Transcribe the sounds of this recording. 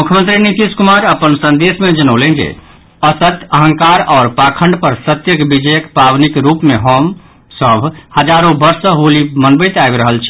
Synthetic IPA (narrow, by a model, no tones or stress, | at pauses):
mukʰjəmənt̪ɾinit̪iskumaɾəpənsə̃nd̪esmed͡ʒənəʊlenɡḛ | əsət̪əɦə̃ŋkaɾɔːɾpakʰəɳɖpəɾsɾət̪jəkbid͡ʒəjəkpabnikɾupmeɦom | səbʱhəd͡ʒaɾõbəɾsəɦulimənbəjt̪aebɾəɦəlt͡ʃʰi̥